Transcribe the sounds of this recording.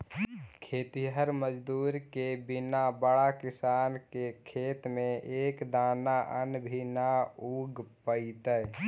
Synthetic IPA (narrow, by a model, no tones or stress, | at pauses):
kʰet̪iɦəɾməd͡ʒd̪uːɾkebinabəɽakisankekʰeːt̪meʔekd̪aːnaʔənbʱinauɡpəit̪ə